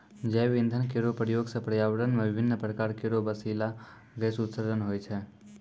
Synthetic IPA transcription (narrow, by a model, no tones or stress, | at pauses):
d͡ʒɛʋĩnd̪ʱənkeɾopɾəjoɡsə̃pɾəjaʋəɽənmebɪbʱɪnːəpɾəkaːɾkeɾobəsila | ɡɛsut̪səɾd̪ʱənɦojt͡ʃʰɛ